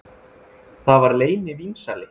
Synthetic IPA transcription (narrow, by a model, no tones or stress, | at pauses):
θavaɾleːjnɪvinsalɪ